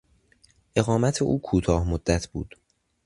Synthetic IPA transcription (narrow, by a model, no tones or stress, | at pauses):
ʔe̞ɣɒːmæt̪ʰe̞ʔuːkʰuːt̪ʰɒːhmod̪ːæt̪ʰb̥ṵːd̪̥